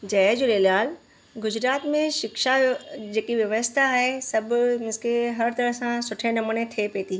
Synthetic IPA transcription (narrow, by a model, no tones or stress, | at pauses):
d͡ʑɐːd͡ʑuleːlaːl | ɡʊd͡ʑɾaːt̪mẽʃɪkʃad͡ʑeːkiʋjɐʋəst̪ʰaːɦesɐbʱʊmɪ̃skeɦɐɾt̪ɐɾəɦsãsʊʈʰenɐmunet̪ʰepeːt̪ʰiː